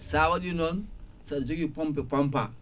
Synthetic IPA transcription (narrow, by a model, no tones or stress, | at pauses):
sawaɗinɔnsadd͡ʒoɡipɔmpɛpampa